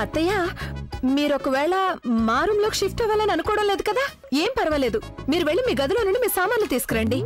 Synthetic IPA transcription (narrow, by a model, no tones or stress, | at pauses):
ɐt̪ːɐjaːmiːɾokɐʋɛːɭɐmaːɾumlo̞ːkiʃʂifʈɛʋaːlɐniɐnukɔːɽɐmle̞ːd̪ukɐd̪aː | eːmpɐɾɐʋɐle̞ːd̪umiːɾuʋeɭːimiːɡɐd̪uloːnuɳɖimiːsaːmaːnlɐt̪iːsu̥kɐɾɐɳɖi